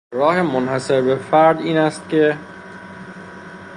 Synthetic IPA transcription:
ɾɒːhemonhæse̞ɾbe̞fæɾd̪iːnæst̪̚cʰe̞

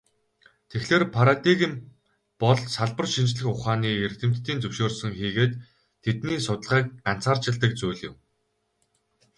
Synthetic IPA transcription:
t̪ʰexɮeːrpʰaɾat̪iɣim | pɔɮsaɮpə̆rʃint͡ɕɮɘ̆xʊχaːniːert̪ɘ̆m̥t̪ːiːnt͡sɵwʃoːrsɵ̆ŋxiːɣeːt̪ʰː | et̪niːsʊt̪ə̆ɮʁiːk̚ɢan̥t͡saːrt͡ɕɪ̆ɮt̪ə̆k̚t͡sujɮɪ̰̆w

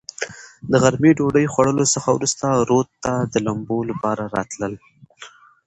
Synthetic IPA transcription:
d̪əɣaɾmiɖoɖəjxwaɽəlosəxawɾust̪aɾot̪ːad̪əlambolapɑɾaɾɑt̪ləl

